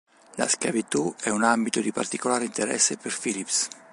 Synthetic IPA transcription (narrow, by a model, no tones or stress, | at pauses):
la̰skavit̪uɛunambit̪od̪ipa̰rt̪ikolaːɾint̪eɾɛ̰sːepeɾfilips